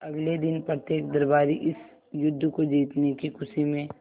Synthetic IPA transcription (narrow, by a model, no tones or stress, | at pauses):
ɐɡled̪ɪnpɾət̪jeːk̚d̪ɐɾbaːɾiʔɪs | jʊd̪ʱːkod͡ʒiːt̪nekikʰʊsimẽ